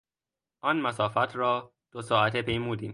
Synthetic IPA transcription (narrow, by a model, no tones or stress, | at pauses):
ʔɒːnmæsɒːfæt̪ʰɾɒː | d̪̥osɒːʔæt̪ʰepʰejmuːd̪iːm